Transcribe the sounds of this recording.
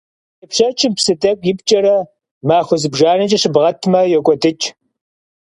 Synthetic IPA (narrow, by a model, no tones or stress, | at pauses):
jɐpɕɐt͡ʃʰɪmpsɨdʼɐkʷʼjɪpt͡ʃʼɐɾɐ | maːxʷʊzɨbʒaːnɨt͡ʃʼɐɕɨbʁɐtʰmɐjɛkʷʼɔdɨt͡ʃʼ